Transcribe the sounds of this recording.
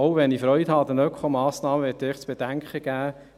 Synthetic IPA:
owʋɛnifɾœʏthɑːd̪ənœkχɔmɑːsnɑːməʋɪːtdɪːχt͡sb̥ed̥̪æŋkχəɡ̥æː

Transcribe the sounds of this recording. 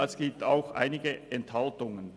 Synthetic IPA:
ɛsɡ̥iːp̚t̪a̰ʊxʔa̰ɪnɪɡəʔɛnthaltʊŋən

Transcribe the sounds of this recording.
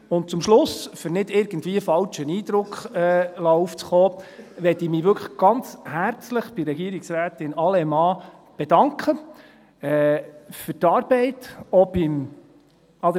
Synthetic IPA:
ʊnt̚t͡sʊmʃlʊsfʏɾnɪdɪɾɡ̥ən̩dvʋiːəfɑlt͡ʃəniːd̪ɾʊkχɛːlɑuft͡sχɔːʋɛtiːmiːʋʏɾkʰχəɡ̥ɑnt͡shæɾt͡sləχb̥ɪɾɛɡiəɾɪksɾæːt̪ɪnɑlɛmɑː | b̥ɛdɑŋkʰχə | ɛfʏɾtɑːɾb̥ɛɪtob̥ɪm | ɑd̪

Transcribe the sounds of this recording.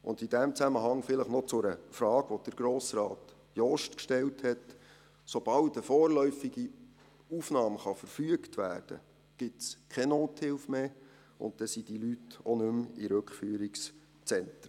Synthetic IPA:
ʔʊ̰nd̪id̥æmt͡sæməɦɑŋfɪləχnot͡sʊɾəfɾɑːɡ̥ʋod̥əɾɡ̥ɾoːsɾɑːt | jɔʃtkʃtɛlthɛt | sob̥ɑltəfɔːrlœʏfiɡi | ufnɑːmχɑfəɾfyəktʋæ̰ːrd̥ə̰ | ɡ̥ɪtskʰɛnoːthɪlfmeː | ʊ̰n̚d̥ɛsid̥ilytonɵmiɾɵkfyːəɾiks | t͡sɛntɾə

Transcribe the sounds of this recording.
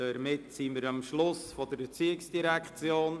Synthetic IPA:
ɛɾmɪtsimɪɾɑmʃlʊsfɔdəɾbət͡siːəɪksd̥iɾɛkʰt͡sjoːn

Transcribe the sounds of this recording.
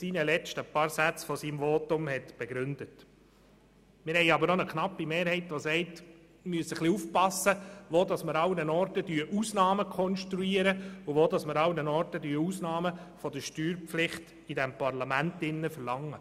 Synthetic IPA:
siːnəlɛt͡ʃtəpɑːɾsæt͡sfɔsiːmʋoːtʊmhɛtb̥ɛɡɾʏndət | mɪɾhɛɪɑbəɾnɔnəkχnɑpːimeːɾhɛɪtʋosɛɪt | myəsəχliuːfpɑsːəʋoːd̪ɑsməɾɑwnənɔɾtədyːəʔuːsnɑːməkʰɔnʃtɾuiəɾəʊʋoːdɑsməɾɑwnənɔɾtədyːɾuːsnɑːmə | fɔd̪əʃtyːɾpflɪχt | idɛmpɑɾlɑmæntɪnːəfəɾlɑŋːə

